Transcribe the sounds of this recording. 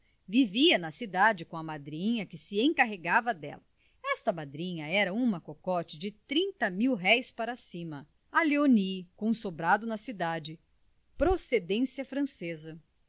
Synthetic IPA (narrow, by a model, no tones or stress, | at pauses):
viviɐnɐsid̪ad͡ʒɪkõɐmad̪ɾĩɲɐkɪsɪẽkaɦeɡavɐd̪ɛ̰lɐ | ɛst̪ɐmad̪ɾĩɲɐɛɾɐũmɐkokɔt͡ʃɪd͡ʒɪt̪ɾĩnt̪ɐmiwɦɛjspaɾɐsĩmɐ | aleonikõsobɾad̪ʊnɐsid̪ad͡ʒɪ | pɾosed̪ẽsiɐfɾɐ̃sezɐ